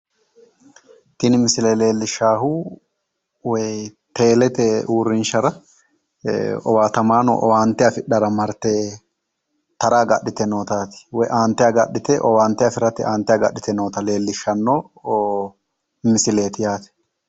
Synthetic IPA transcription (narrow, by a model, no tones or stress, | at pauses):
t̪ɪnɪmɪsɪleːle̞ːlːɪʃːaːhuː | wɛjt̪e̞ːlɛt̪ɛuːɾɪnʃɐɾɐ | ɔwaːt̪ɐmaːno̰ːʔɔ̰waːnt̪ːɪɐfɪᶑɐɾɐmɐɾt̪eː | t̪ɐɾaːɡɐ̰ɗːɪt̪ɛnoːt̪aːt̪ɪ̥wɛjʔaːnt̪ːɪjaːɡɐ̰ɗːɪt̪ɛʔɔwaːnt̪ɛɐfɪɾɐt̪ɪʔaːnt̪ːɛjaːɡɐ̰ɗɪt̪ɛnoːt̪ɐle̞ːlːɪʃːɐnːoː | mɪsɪle̞ːt̪ɪjaːt̪ɪ̥